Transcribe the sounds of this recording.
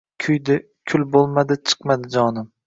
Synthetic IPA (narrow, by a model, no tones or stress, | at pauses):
kʲʰʊjd̪ɪ | kʲʰʊlbolˠmad̪ɪt͡ʃʰɨ̥qmad̪ɪd͡ʒɒnɪm